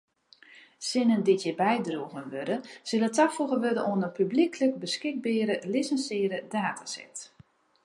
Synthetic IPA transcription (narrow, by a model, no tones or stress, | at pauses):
sɪnəndɪtjɪbɛjdruəɣənʋødəsɪlətafuɣəʋødənʔoənəpyblikʰlək̚bəskɪk̚bɪːɾəlisənsɪːəɾədaːtʰasɛ̰t